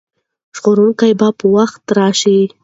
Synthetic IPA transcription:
ʒɣoɾunkajbɑpəwaxt̪ɾɑʃi

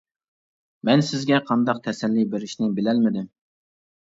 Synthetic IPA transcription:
mɛnsɪzɡʲɛqʰɑnd̪ɑq̚t̪ʰɛsɛlːibeɾɪʃnɪbɪlɛlmɪd̪ɪm

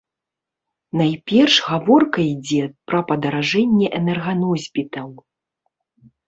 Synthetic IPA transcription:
najpʲɛrʂɣavɔrkɐid͡zʲɛpɾɐpɐd̪ɐɾaʐɛnʲːɛʔɛnɛrɣanɔzʲbʲit̪ɐw

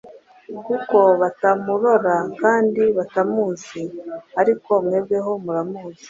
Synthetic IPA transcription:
kuko̞βatamuɾo̞ɾakaːndiβatamuːziaɾiko̞mŋebɡe̞ɦo̞muɾamuːzi̥

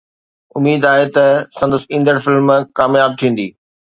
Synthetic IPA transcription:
ʊmiːd̪aːɦet̪ɐsɐ̃nd̪əsĩːnd̪əɽfɪlmkaːmjaːb̚t̪ʰĩːn̆d̪iː

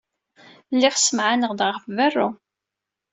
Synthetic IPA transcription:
lːiʁsəmʕanəʁd̪ʁəʁfværˤːʊ

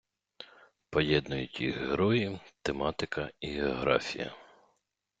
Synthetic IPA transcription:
pɔjɛd̪nʊjʊtʲḭɦeɾɔjit̪emɑt̪ɪkɐiɦeɔɦɾɑ̰fʲijɐ̰

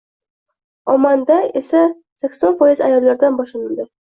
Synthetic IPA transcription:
ɒmand̪ae̞sa | sakʲsɒnfɒjɪzajɒlːaɾd̪anbɒʃlanɪld̪ɪ

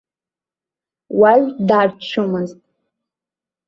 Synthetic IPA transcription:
waɥʷdaːrt͡ʃʷʰʊmɨztʼ

